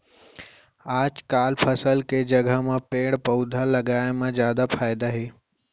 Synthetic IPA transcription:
aːd͡ʒkaːlpʰəsəlked͡ʒɐɡʱəmãpeːɽpɐʊd̪ʱalɐɡaːemãzjaːd̪apʰaːjd̪aɦeː

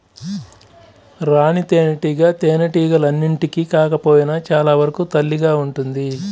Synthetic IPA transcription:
ɾaːnit̪eːnɐʈiːɡɐt̪eːnɐʈiːɡɐlɐnːiɳʈikikaːkɐpoːjinɐt͡ʃaːlaːʋɐɾɐkut̪ɐlːiɡaːuɳʈund̪i

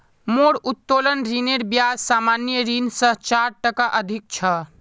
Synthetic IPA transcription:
moɽut̪ːolənɾineɾbjad͡ʒsamanjəɾinsə̃ɦt͡ʃaɾʈəkaʔəd̪ʱik̚t͡ʃʰə

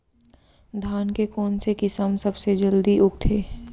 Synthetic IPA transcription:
d̪ʱaːnkekɔːnsekɪsəmsɐbsed͡ʒəld̪iʔʊɡt̪ʰeː

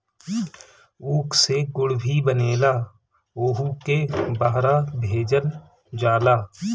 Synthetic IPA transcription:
uːkʰseɡʊɽbʱibəneːlaː | oːɦukebaɦɾabʱeːd͡ʒən | d͡ʒaːlaː

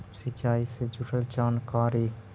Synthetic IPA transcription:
sit͡ʃaːised͡ʒuʈʰəlt͡ʃaːnkaːɾi

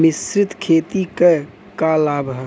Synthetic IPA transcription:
mɪsɾɪt̪kʰeːt̪ike | kalaːbʱɦɛ

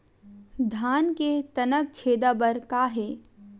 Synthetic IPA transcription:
d̪ʱaːnket̪ɐnək̚t͡ʃʰeːd̪abəɾkaːɦeː

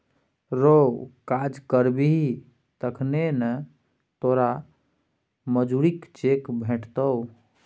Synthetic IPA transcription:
ɾokad͡ʒkəɾbiɦi | t̪əkʰnenə | t̪oɾa | məd͡ʒuɾikt͡ʃekbʱeʈʰt̪əw

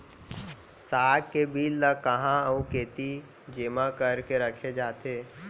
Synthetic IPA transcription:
saːɡkebiːlːəkɐɦãũkeːt̪i | d͡ʒeːmãkəɾkeɾəkʰed͡ʒaːt̪eː

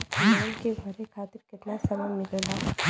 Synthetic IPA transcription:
naːnkebʱɐɾekʰaːt̪ɪɾkɪt̪nasɐməmːɪklɦaː

